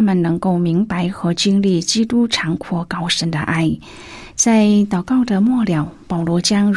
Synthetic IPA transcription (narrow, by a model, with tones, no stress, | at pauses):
a˥mə˨nnɤ˧˥ŋko˥˩ʊmi˧˥ŋpa˧˥ɪxɤ˧˥t͡ɕi˥ŋli˥˩t͡ɕi˥t̪u˥ʈ͡ʂʰɑ˧˥ŋkʰwɔ˧˥kɑ˥ʊʂə˧˥nd̪ə̰˧ʔa˥˩ɪ | t͡sa˥˩ɪt̪ɑ˨˩ʊkɑ˥˩ʊd̪ə˩mwɔ˥˩ljɑ˨˩˦ʊpɑ˨˩ʊlwɔ˧˥t͡ɕjɑ˥ŋ